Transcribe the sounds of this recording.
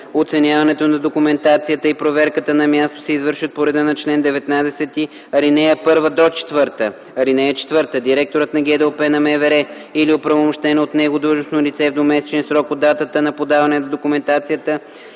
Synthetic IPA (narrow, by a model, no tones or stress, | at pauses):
ot̪sɛnʲjavɐnɛt̪onɐd̪okʊmɛnt̪at̪sijət̪əipɾovɛɾkət̪ənɐmʲjast̪o̥sɛizvɤɾʃət̪̚poɾɛd̪ənɐt͡ʃlɛnd̪ɛvɛt̪nad̪ɛsɛt̪i | ɐɾinɛjəpɤɾvəd̪ɔt͡ʃɛ̥t̪vɤɾt̪ə | ɐɾinɛjət͡ʃɛ̥t̪vɤɾt̪əd̪iɾɛk̚t̪oɾət̪nɐɡʲɛd̪ɛopɛnɐmɛvɛɾɛ | iliopɾɐvomʊʃt̪ɛnɛot̪nɛɡod̪ɾuʒnosnolʲit̪sɛvd̪omɛsɛ̥t͡ʃɛnsɾɔkod̪ːat̪ət̪ənɐpod̪avɐnɛnɐd̪okʊmɛnt̪at̪sijət̪ə